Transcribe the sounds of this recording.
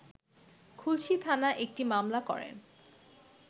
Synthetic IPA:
kʰulʃit̪ʰanaʔek̚ʈimamlakɔ̰ɹḛn

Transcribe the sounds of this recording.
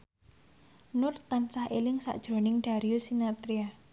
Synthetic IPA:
nʊrt̪ansahʔelɪŋsa̰ʔd̥ʒ̥ɾo̤nɪŋɖ̥a̤ɾiosinat̪ɾia

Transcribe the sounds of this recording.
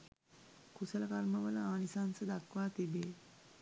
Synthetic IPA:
kusələkalməʋələaːnisansəd̪akʋaːt̪ibeː

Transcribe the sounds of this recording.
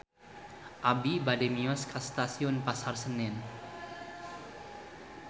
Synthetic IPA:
ʔabibadɛmiɔskʰast̪asiʊnpasarsənɪn

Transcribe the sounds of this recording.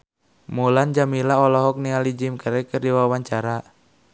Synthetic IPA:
muland͡ʒamilaɔlɔɦɔk̚nialid͡ʒimkaɾɛkɨrdiwawaɲt͡ʃaɾa

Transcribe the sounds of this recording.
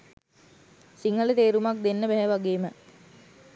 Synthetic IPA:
siŋələt̪eːɾumak̚d̪enːəbɛɦɛʋaɡeːmə

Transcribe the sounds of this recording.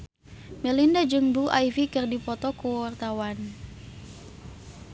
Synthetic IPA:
mɛlindad͡ʒɨŋbuʔajvikɨrdipɔt̪ɔkuwart̪awan

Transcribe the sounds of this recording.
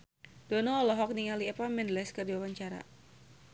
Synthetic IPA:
d̥ɔnɔːlɔɦɔk̚niŋaliɛpamɛndlɛskərdiwawaɲt͡ʃaɾa̰

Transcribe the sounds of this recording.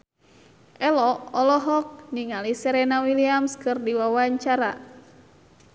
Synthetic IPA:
ʔɛlɔɔlɔɦɔk̚niŋalisɛɾɛnawiliamskɨrdiwawaɲt͡ʃaɾa̰

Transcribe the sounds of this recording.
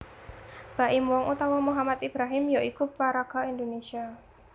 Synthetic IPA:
b̥a̤ʔimwɔŋʔut̪awɔmuɦamat̪ib̥ɾaɦɪmjoʔikupaɾaɡ̥aind̪onesia

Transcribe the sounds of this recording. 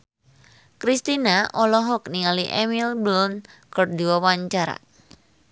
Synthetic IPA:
kɾist̪inaʔɔlɔɦɔk̚niŋaliʔɛmilblɔnkərdiwawaɲt͡ʃaɾa̰

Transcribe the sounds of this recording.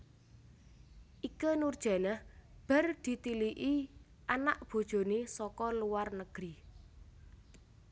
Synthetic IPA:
ʔikənurd̥ʒ̥a̤nəhb̥a̤rd̪̥i̤t̪iliʔi | ʔanaʔb̥o̤d̥ʒ̥o̤nesɔkɔluwarnəɡ̥ɾi

